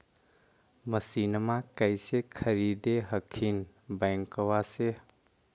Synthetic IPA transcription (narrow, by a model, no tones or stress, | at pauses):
məsinmakəɪsekʰəɾid̪eɦəkʰin | bəŋkwase